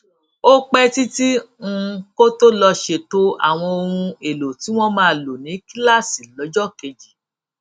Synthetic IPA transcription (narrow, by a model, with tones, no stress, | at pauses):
o˦k͡pɛ˦ti˦tĩ˦˧ | ko˦to˦lɔ˧ʃe˧to˧a̰˨w̃ɔ̃˧o˧ɾũ˧e˨lo˨ti˨˦w̃ɔ̃˦mãː˦˧˨lo˨nĩ˨˦ki˦la˦˨si˨lɔ˨˦d͡ʒɔ˦ke˧d͡ʒi˨